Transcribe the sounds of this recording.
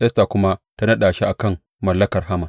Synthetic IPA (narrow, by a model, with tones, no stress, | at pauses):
ʔɛ˦sta˨kʷʊ˦ma˦ta˦nɐ˦ɗaː˨ʃi˦ʔa˨kɐ˦˨mː | ɐ˨lːɐ˦kɐ˨rɦa˦mɐ˨n